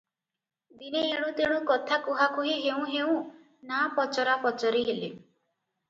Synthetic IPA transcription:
d̪ineːɽ̃ũt̪eɽ̃ũkɔt̪ʰakuɦakʰuɦiɦeũɦeũ | napɔt͡ʃɔɾapɔt͡ʃɔɾiɦele

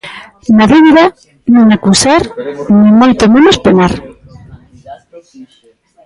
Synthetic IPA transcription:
naðiβ̞iða | nũŋakusaɾnĩmojt̪omẽnospenaɾ

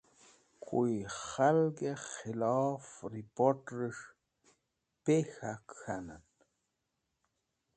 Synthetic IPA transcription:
kʰujχalɡeχelaːfɾipoʈɾɨʂ | pexakxanan

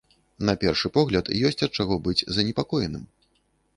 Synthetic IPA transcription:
nɐpʲɛrʂɨpɔɣlʲɐt̪jɔsʲt͡sʲɐt̪̚t͡ʂaɣɔbɨd͡zʲzɐnʲɛpakɔjɛnɨ̰m

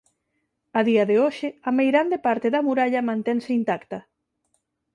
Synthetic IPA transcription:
aðiɐðeoʃɪɐmejɾand̪epaɾt̪eðɐmuɾaʎɐmãnt̪ɛŋseint̪akt̪ɐ

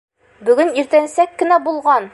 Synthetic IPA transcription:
bɵ̆ɡɘniɾt̪ænsækːɘ̆næbulˠʁɑn

